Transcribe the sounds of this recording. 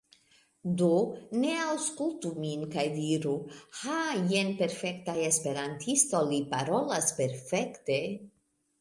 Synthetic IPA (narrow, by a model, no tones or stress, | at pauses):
d̪oneawskultuminkajdiɾuhajenpe̞ɾfekt̪ajespe̞ɾantʰisto̞lipaɾolaspe̞ɾfekt̪e